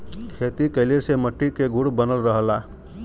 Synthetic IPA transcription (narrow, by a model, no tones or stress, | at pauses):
kʰeːt̪ikəɪliɾseməʈːikeɡʱuɽbənəlɾəɦəlaː